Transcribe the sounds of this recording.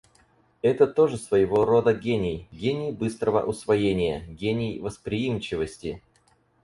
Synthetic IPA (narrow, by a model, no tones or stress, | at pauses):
ɛt̪ət̪o̞ʐɨsvəjɪvo̞ro̞d̪əɡʲenʲɪjɡʲenʲɪjbɨst̪ɾəvə̰ʔʊsvɐjenʲɪjə̰ɡʲenʲɪjvəspɾʲɪjimt͡ɕɪvəsʲtʲɪ